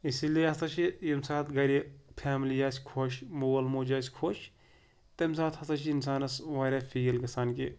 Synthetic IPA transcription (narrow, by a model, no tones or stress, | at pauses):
isilijeɐst̪ɐt͡ʃʰijɐmsaːt̪ɡɐɾʲipʰaːmlijaːsʲkʰoːʃmoːwɐlmoːd͡ʒaːsʲkʰoːʃʰ | t̪ɐms̬aːt̪hɐst̪ɐt͡ʃʰiːnsaːnɐsʋaːɾafʰiːjɐlɡɐsaːnki